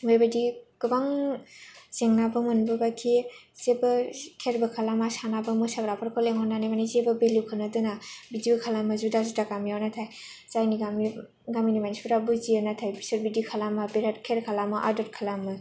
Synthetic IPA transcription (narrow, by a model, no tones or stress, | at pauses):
mejbadiɡɯbaŋ | zeŋnabɯmɯnbɯbakʰi | z̥ebɯkʰeɾbɯkʰalamasanabɯmɯsaɡɾapʰaɾkʰɔleŋhɔnːanamanizebɯbelukʰɯnɯdɯnabidibɯkʰalamɯzudazudakamiawnatʰaj | z̥ajniɡami | ɡaminimanispuɾabɯzianatʰajbisɯɾbidikʰalamabeɾatkʰeɾkʰalamɯʔa̰dɔtkʰalamɯ